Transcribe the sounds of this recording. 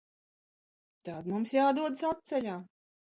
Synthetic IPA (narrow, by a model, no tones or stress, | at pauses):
t̪ad̪mumsjaːd̪uɔd̪ɨsat̪̚t̪sɛlʲaː